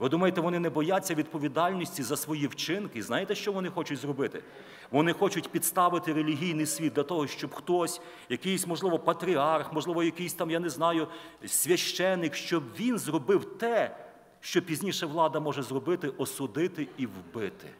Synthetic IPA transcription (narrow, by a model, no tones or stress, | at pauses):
ʋɪd̪umɐjet̪ɛʋɔnɪnɛbɔjat͡sʲːɐʋʲid̪pɔʋʲid̪ɑlʲnʲisʲtʲizɐsʋɔjiwt͡ʃɪnkɪznɑjet̪ɛʃt͡ʃɔʋɔnɪxɔt͡ʃʊtʲzrɔbɪt̪ɪ | ʋɔnɪxɔt͡ʃʊtʲpʲid̪st̪ɑʋɪt̪ɪɾelʲiɦʲijnɪjsʲʋʲid̪d̪ʲlʲɐt̪ɔɦɔʃt͡ʃɔbxt̪ɔsʲ | jɐkɪjsʲmɔʒlˠɪʋɔpɐt̪ɾʲiɑrxmɔʒlˠɪʋɔjɐkɪjsʲt̪ɑmjanɛznɑjʊsʲʋʲɐʃt͡ʃɛnːɪkʃt͡ʃɔbʋʲinzrɔbɪwt̪ɛ | ʃt͡ʃɔpʲizʲnʲiʃɛʋlˠɑd̪ɐmɔʒɛzrɔbɪt̪ɪʔɔsʊd̪ɪt̪ɪiwbɪt̪ɪ̥̰